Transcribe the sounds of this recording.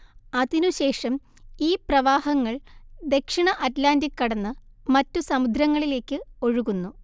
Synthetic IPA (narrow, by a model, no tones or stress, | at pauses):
ɐðinuɕe̞ːʂɐm | iːprɐʋaːhɐŋːɐɭd̪e̞kʂiɳɐʔɐtlaːndikːɐɽɐnːɨmɐtːusɐmud̪ʱɾɐŋːɐɭile̞ːkːɨo̞ɻuɣunːu